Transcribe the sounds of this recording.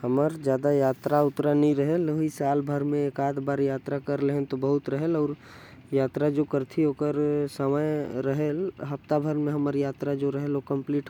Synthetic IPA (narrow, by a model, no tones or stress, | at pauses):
həməɾd͡ʒjaːd̪ajaːt̪ɾaʊt̪ɾanĩɾəɦeloɦisaːlbʱəɾmẽːkaːd̪baːɾjaːt̪ɾakəɾleɦt̪obəɦʊt̪ɾəɦelɔːɾ | jaːt̪ɾad͡ʒokəɾt̪ʰioːkəɾsəməjɾəɦelɦəpt̪abʱəɾmẽɦəməɾjaːt̪ɾad͡ʒoɾəɦelokə̃mpliːʈ